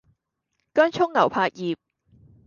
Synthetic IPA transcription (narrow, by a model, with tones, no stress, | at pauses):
kœː˥nt͡ʃʰʊ˥ŋŋɐ˨˩wpʰaː˧k̚jiː˨p̚